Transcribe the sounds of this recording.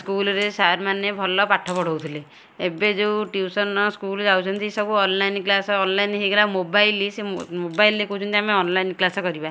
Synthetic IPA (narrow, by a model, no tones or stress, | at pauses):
skulɔɾesaɾmanebʱɔlɔpaʈʰːɔpɔɽ̤ɔwt̪ʰile | ebed͡ʒewʈjiwsɔnɔskuld͡ʒawt͡ʃʰɔnt̪isɔbuɔnlajnklasɔːnlajnɦeɡelamobajlisemobajlːekɔut͡ʃʰɔnt̪iameɔnlajnklasɔkɔɾiba